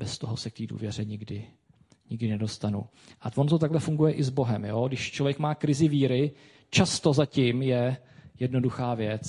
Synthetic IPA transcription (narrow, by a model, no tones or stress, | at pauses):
bɛst̪o̞ɦo̞sɛk̚t̪iːdṵːvjɛr̝ɛɲɪɡdɪ | ɲɪɡdɪnɛdo̞st̪anṵ | ʔavont̪ot̪aɡlɛfuŋɡujɛʔɪzbo̞ɦɛmjoːɡdɪʃt͡ʃlo̞vjɛkmaːkɾɪzɪviːɾɪ | t͡ʃast̪o̞zacɪmjɛ | jɛdno̞duxaːvjɛt͡s